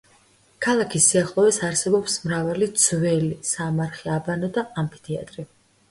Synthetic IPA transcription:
kʰalˠakʰisːiaχlˠɔvɛsaɾsɛbɔpsmɾavalid̪z̥vɛlisamaɾχiabanɔd̪aampʰi̥t̪ʰia̰t̪ʼɾi

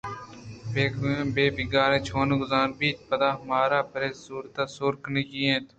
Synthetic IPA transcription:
beːkːbeːbɪɡaːɾẽːt͡ʃʰoːnɡʊzaːnbiːt̪pəd̪aːɦmaːɾaːpɾeːsuːɾt̪aːsoːɾkneːkiːẽːt̪

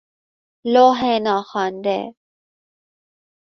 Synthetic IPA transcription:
loːɦenaːxaːnd̪ḛː

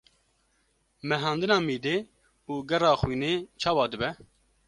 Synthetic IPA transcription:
mɛɦɑːnd̪ɨnɑːmiːd̪eː | uːɡɛrɑːxwiːneːt͡ʃʰɑːwɑːd̪ɨbɛ

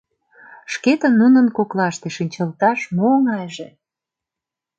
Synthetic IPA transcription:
ʃket̪ə̆nːunənkoklɑʃt̪eʃinʲt͡ɕəlt̪ɑʃmoŋɑjʒe

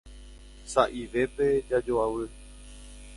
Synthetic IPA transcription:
saʔiʋe̞pe̞d͡ʒad͡ʒoaʋɨ

